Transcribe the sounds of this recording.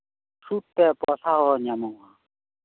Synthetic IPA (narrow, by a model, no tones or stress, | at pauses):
sʰut̪ːɛpɔɬʰaɦɔɲamɔa